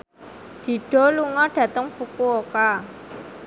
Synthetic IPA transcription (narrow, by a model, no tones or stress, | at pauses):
d̪̥i̤ɖ̥ɔ̤luŋɔɖ̥ä̤t̪əŋfukuoka